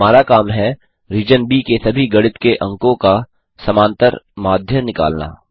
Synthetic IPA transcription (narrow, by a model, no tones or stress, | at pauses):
aːɾakaːmɦɛ | ɾiːd͡ʒənbikesɐbʱiɡɐɽɪt̪keʔɐ̃ŋkõka | sɐmãːnt̪əɾmaːd̪ʱjənɪka̰ːlna̰ː